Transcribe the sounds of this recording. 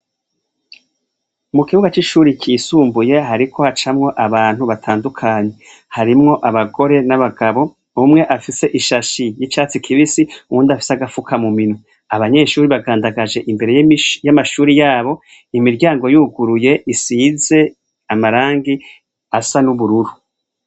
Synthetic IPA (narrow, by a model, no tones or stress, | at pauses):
mukiβuɡat͡ʃiʃuːɾikʰiːsuːmbuje̞ɦaɾikʰo̞hat͡ʃamŋo̞ʔaβaːn̥huβatʰaːndukʰaːɲe̞ | haɾimŋo̞ʔaβaɡo̞ɾe̞naβaɡaβo̞ | umŋe̞ʔafise̞ʔiʃaʃijit͡ʃaːt͡sikʰiβisiumuːndafi̥seaɡafukʰamuminwe | aβaɲe̞ʃuːɾiβaɡaːndaɡaʒe̞ʔimbe̞ɾe̞jjamaʃuːɾijaːβo̞ | imiɾɟaːŋɡo̞juːɡuɾuje̞ʔisiːze̞ | amaɾaːŋɡi | asanuβuɾuɾu